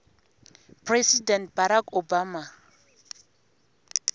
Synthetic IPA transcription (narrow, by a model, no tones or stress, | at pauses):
pʰrɛsidɛnt̚baɾakʰobaːma